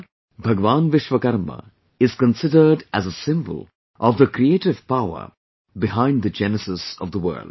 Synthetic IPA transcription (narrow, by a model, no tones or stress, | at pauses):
bʱɐɡʋaːnʋɪʃʋəkɐɾmə̰ | ɪz̥kə̃nsɪdəɾɖæzəsɪ̃mbə̰lˠ | ʔɔvd̪əkɾieːʈɪvpaʊə̰ɾ | bɪɦãɪ̃ndd̪əd͡ʒɛnəsɪsɔvd̪əʋə̰ːld